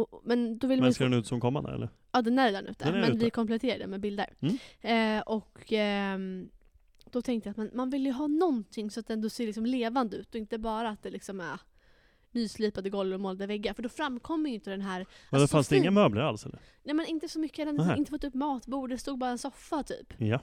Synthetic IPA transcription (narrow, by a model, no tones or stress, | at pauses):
ɔmɛnd̪ɔvɪlːmj̪skdɛnʉ̟ːt̪sɔmkʰɔmːa̰nd̪ə̰ɛ̰ːə̰ɾ | ɑːd̪ɛnæɾd̪ɛnʉ̟ːt̪ʰːəmɛʉvɪkʰɔmplɛt̪ʰeːɾad̪ɛ̰mɛbɪld̪ə̰ɾ | ʔɔk | d̪̥ɔt̪ʰɛŋkt̪əjat̪mɛnmanvɪlːjəjəɦɑːnɔnt̪ʰɪŋːsɔat̪d̪ɛnd̪ɔseːlɪksɔmleːvand̪əʉ̟ːt̪ɔɪnt̪əbɑːɾaːt̪̚d̪ɛlɪksɔmæɾ | nyːsliːpand̪əɡɔlvɾɔmoːlad̪əvɛɡːafœɖɔfɾamːkʰɔmːəjʏɪnt̪əd̪ɛnɦæːɾd̪ffansd̪ɛɪŋːamøːbləɾa̰lsɛlːə̰nɛjmɛnɪnt̪əsɔmʏkːəd̪anɪnt̪əfɔt̪ːɵpːmɑːt̪buːɖɛst̪uːɡ̚bɑːɾaɛnsɔfːat̪ʰy̰ːpja